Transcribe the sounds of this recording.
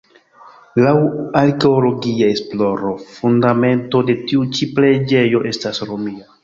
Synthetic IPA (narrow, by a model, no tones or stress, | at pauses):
lawaɾke̞olo̞ɡiaesplo̞ɾo̞fundame̞nto̞de̞tiut͡ʃiple̞d͡ʒe̞jo̞ʔe̞stasɾomia